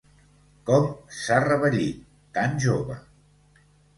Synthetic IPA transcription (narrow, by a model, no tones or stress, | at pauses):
kɔmsarəβəʎḭt̪̚ːanʒoβə